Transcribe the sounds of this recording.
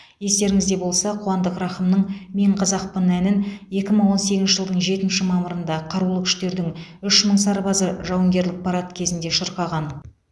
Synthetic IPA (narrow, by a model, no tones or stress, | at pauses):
je̞st̪e̞ɾɪŋɪzd̪e̞bo̞lˠsɑqʰʊwɑnd̪əqrɑχəmnəɴme̞ɴqʰɑzɑq̚pənænɪnje̞kʲɪməɴwo̞nse̞ɡʲɪnʃɪʒəlˠd̪əɴʒe̞t̪ɪnʃɪmɑməɾənd̪ɑqʰɑɾulˠəkʲʰʏ̥ʃt̪e̞ɾd̪ɪŋʏʃməɴsɑɾbɑzəʒɑwəŋɡʲe̞ɾlɪk̚pʰɑɾɑt̪kʲʰe̞zɪnd̪e̞ʃəɾqɑʁɑn